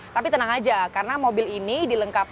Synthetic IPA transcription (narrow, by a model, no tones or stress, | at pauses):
t̪apit̪ənaŋad͡ʒakaɾənamobɪlinidiləŋkap̚